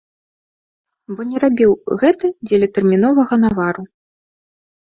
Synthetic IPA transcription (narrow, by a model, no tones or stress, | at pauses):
bɔnʲɛɾabʲiwɣɛt̪ɐd͡zʲɛlʲɛt̪ɛrmʲin̪ɔvɐɣɐnavaɾu